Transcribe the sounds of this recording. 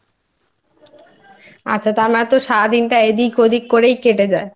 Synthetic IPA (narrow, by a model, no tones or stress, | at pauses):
a̰at̪aɾmat̪ːɾoʃaɾad̪inʈaed̪ikʰod̪ʱikkoɾejkeʈed͡ʑae